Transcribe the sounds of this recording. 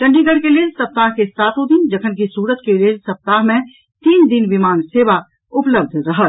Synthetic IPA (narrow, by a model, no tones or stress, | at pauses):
kɐ̃ɳɖʱiɡəɽkelesɐp̚t̪aːɦkesaːt̪ʰõd̪ɪnd͡ʒɐkʰənkisuːɾət̪kelesɐp̚t̪aːɦmẽ | t̪iːnd̪ɪnʋimaːnseːʋa | ʊpləb̚d̪ʱɾɐɦə